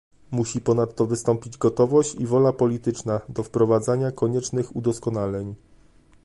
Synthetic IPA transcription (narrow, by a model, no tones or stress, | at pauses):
muɕipɔn̪at̪ːɔvɘst̪ɔmpʲid͡ʑɡɔt̪ɔvɔɕt͡ɕivɔlapɔlʲit̪ɘt͡ʂnad̪ɔfpɾɔvad̪zaɲakɔɲɛt͡ʂnɘxud̪ɔskɔnalɛɲ